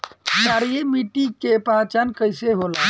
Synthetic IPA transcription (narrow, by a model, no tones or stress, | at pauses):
saːɾijemiʈikepãːt͡ʃankəɪseɦola